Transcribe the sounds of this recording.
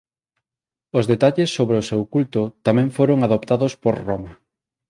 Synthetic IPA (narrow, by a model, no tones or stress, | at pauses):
ʊzðet̪aʎesːoβɾeʊsewkult̪ʊt̪amɛ̃ɱfoɾoŋaðopt̪aðospoɾroma